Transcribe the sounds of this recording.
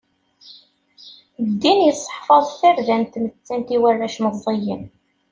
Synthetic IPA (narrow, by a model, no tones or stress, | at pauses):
d̪ːinjəsˤːħfɑðˤθəɾðænt̪mət͡sːænt̪iwærːæʃməðˤːijəm